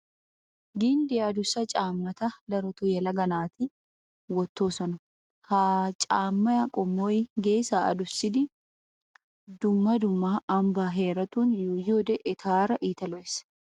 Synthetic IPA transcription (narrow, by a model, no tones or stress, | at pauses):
ɡɪnd̪ɪɐd̪ʊsɐt͡ʃʼaːmːɐt̪ɐd̪ɐɾɔt̪ʊjɛlɐɡɐnaːt̪ɪ | wɔt̪ːoːsɐnʊ | hat͡ʃʼaːmːɐɐkʼɔmːoːjɪɡeːsaːʔɐ̰d̪ʊsɪd̪ɪ | d̪ʊmːɐd̪ʊmːaːɐmbaːɦeːɾɐt̪uːnjojoːd̪ɛʔɪt̪ʰaːɾɐʔiːt̪ɐlɔʔɛs